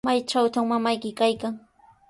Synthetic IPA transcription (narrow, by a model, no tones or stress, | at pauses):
majt͡ʃawt̪aŋmamajkɪkajkaŋ